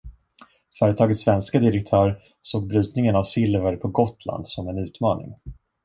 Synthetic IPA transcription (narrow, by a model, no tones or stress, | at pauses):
fœːɾət̪ʰɑːɡət̪sːvɛnskad̪ɪɾɛk̚t̪ʰœːɾ | soːɡ̚bɾy̟ːt̪nɪŋənavsɪlvəɾpʰɔɡɔt̪ʰla̰nd̪sɔmɛnʉ̟ːt̪mɑːnɪ̰ŋ